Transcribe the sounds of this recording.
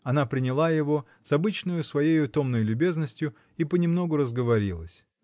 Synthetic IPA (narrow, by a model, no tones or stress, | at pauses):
ɐnapɾʲɪnʲɪlˠajɪvo̞ | sɐbɨt͡ɕnəjʊsvɐjejʊt̪o̞mnəjlʲʊbʲe̞znəsʲtʲjʊ | ipənʲɪmno̞ɡʊɾəzɡəvɐɾʲḭlˠəsʲ